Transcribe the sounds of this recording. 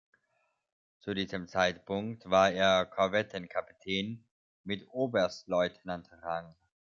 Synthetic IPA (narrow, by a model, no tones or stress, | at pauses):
t͡sudiːzəmt͡saɪtpʰʊŋktv̥aːɐeːɐkʰɔɐvɛtʰənkʰapi̥tʰɛːn | mɪtʔoːbəɐstlɔʏtʰənantʁaŋ